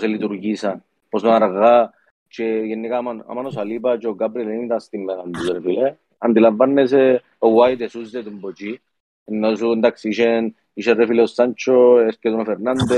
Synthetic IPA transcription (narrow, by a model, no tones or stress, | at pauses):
sɛlit̪uɾɡisa | pɔsɔnaɾɣa | t͡ʃɛjɛnːikamana̰manɔsalibat͡ʃoɡabɾɛlenit̪ast̪imːɛnand̪usɾfile | and̪ilavːanːes̬ɛ | owajd̪esuzːɛt̪umbot͡ʃi | ɛnːos̬und̪aksiʃɛn | iʃɛrːɛfilɛɔsːant͡ʃoɛskɛt̪unafɛɾnand̪e